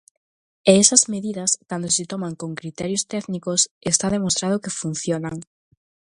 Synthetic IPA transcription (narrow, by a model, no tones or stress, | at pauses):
eɛsɐzmeðiðɐskand̪osɪt̪omaŋkoŋkɾit̪ɛɾjost̪ɛknikosest̪aðemost̪ɾað̞ʊkefun̟θjonaŋ